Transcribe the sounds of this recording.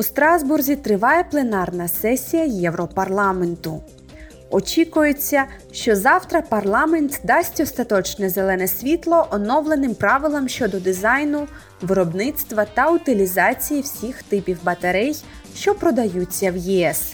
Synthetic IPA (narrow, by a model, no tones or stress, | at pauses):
ust̪ɾɑzburzʲit̪ɾɪʋɑjɛplˠenɑrnɐsɛsʲijɐjɛwɾɔpɐrlˠɑment̪ʊ | ɔt͡ʃʲikʊjet͡sʲːɐ | ʃt͡ʃɔzɑwt̪ɾɐpɐrlˠɑment̪d̪ɑsʲtʲɔst̪ɐt̪ɔt͡ʃnɛzelˠɛnɛsʲʋʲit̪lˠɔʔɔnɔwlˠenɪmpɾɑʋɪlˠɐmʃt͡ʃɔd̪ɔd̪ɪzɑjnʊ | ʋɪɾɔbnɪt̪st̪ʋɐt̪ɐʊt̪ɪlʲizɑt͡sʲijiwsʲixt̪ɪpʲiwbɐt̪ɐɾɛj | ʃt͡ʃɔpɾɔd̪ɐjut͡sʲːɐwjiɛs